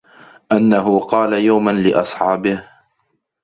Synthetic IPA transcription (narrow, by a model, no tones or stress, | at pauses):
ʔanːaɦʊqɑːlajawmanlɪʔɑsˤħɑːbɪh